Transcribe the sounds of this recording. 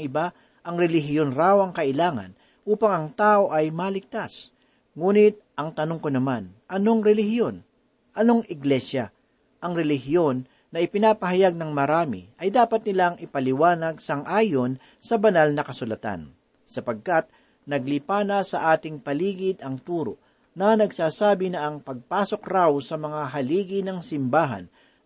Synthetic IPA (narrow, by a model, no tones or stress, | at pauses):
ŋʔɪba | ʔɐŋɾɛlɪɦɪjonɾaːwɐŋkɐʔɪlaːŋɐ̰n | ʔuːpɐŋɐŋt̪aːʔo̞ʔɐjmalɪɡ̚t̪as | ŋuːnɪt̪̚ʔɐŋt̪ɐnoŋkonɐmanʔɐno̞ŋɾɛlɪhjo̞n | ʔɐno̞ŋʔɪɡlɛsjɐ | ʔɐŋɾɛlɪɦɪjo̞nː | ɐʔɪpɪnaːpɐɦɐjaɡ̚nɐŋmɐɾaːmɪ̰ʔɐjd̪aːpɐt̪̚nɪlaŋʔɪpɐlɪwaːnɐɡ̚sɐŋʔaːjo̞n | sɐbɐnalnɐkɐsʊlɐt̪a̰n | sɐpɐɡ̚kat̪̚ | nɐɡlɪpaːnɐsɐʔaːt̪ɪŋpɐliːɡɪd̪ɐŋt̪uːɾo̰ | nɐnɐɡsaːsaːbɪnɐʔɐŋpɐɡ̚paːso̞kɾawsɐmɐŋaɦɐliːɡɪnɐŋsɪmbaːɦɐ̰n